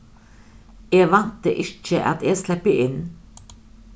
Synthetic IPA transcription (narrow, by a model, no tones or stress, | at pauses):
eːʋɑnt̪əʔɪt͡ʃəʔɑ̰t̪ʰeːɡslɛpəʔɪn